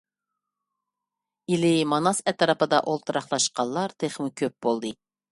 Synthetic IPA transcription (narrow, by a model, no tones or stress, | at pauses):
ilɪmɑnɑsɛt̪ʰɑɾɑpɨd̪ɑ̰ʔolˠt̪ʰɨɾɑχlˠɑʃqɑnlːˠɑɾt̪ʰeχmɪkʲʰøp̚bolˠd̪ɨ